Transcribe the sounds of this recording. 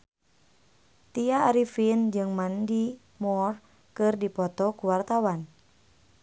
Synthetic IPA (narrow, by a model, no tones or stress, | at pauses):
t̪iaːɾifind͡ʒɨŋmandi | mɔr | kɨrdipɔt̪ɔkuwart̪awan